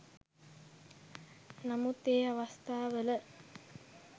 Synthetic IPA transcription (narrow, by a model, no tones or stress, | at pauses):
namut̪eːaʋast̪aːʋələ